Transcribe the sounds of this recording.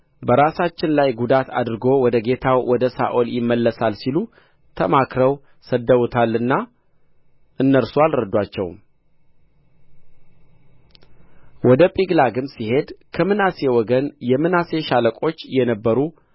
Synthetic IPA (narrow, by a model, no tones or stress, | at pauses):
bəɾasat͡ʃːɪnlajɡud̪at̪ʰa̰d̪ɾɨɡo̞wɔd̪əɡe̞t̪ʰawwɔd̪əsa̰ʔoljɪmːəlːəsalsilu | t̪ʰəmakɾəw | səd̪ːəwut̪ʰalɨnːa | ʔɨnːəɾswalɾəd̪ːwat͡ʃːɛ̰w | wɔd̪əpʼiɡlaɡɨmsihe̞d̪kʰəmɨnasewɔɡənjɛmːɨnase̞ʃaləkʼo̞t͡ʃːjɛnəbːəɾu